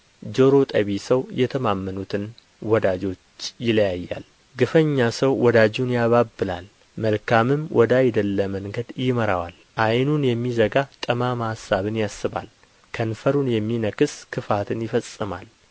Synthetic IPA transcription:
d͡ʒo̞ɾo̞t̪ʼəβisəwjɛt̪ʰəmamːənut̪ʰɨn | wɔd̪ad͡ʒo̞t͡ʃːjɪləjajːa̰l | ɡɨfəɲːasəwːɔd̪ad͡ʒunjaβabːɨla̰l | məlkʰamɨmwʔɔd̪ajd̪əlːəməŋɡəd̪jɪməɾa̰wa̰l | ʔajnunjɛmːizəɡat̪ʼəmamahasːaβɨnjasːɨβa̰l | kʰənfəɾunjɛmːinəkɨskʰɨfat̪ʰɨnjɪfəsʼːɨma̰l

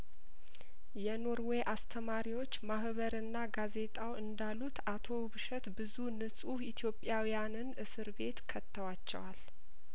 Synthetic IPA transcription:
jɛno̞ɾweʔast̪ʰəmaɾiwo̞t͡ʃːmahβəɾɨnːaɡaze̞t̪ʼawɨnd̪alːut̪ʰat̪ʰo̞βɨʃɛt̪bɨzunɨsʼuit̪ʰjo̞pʼjawijanɨnʔɨsɨɾbe̞t̪kʰət̪ːəwat͡ʃːɛ̰wal

